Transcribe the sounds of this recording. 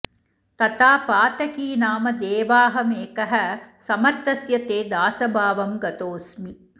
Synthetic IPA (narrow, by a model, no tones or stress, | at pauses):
t̪ɐt̪aːpaːt̪ɐkiːnaːmɐd̪eːʋaːɦɐmeːkɐɦɐsɐmɐɾt̪ɐsjɐt̪eːd̪aːsɐbʱaːʋɐmɡɐt̪oːsmi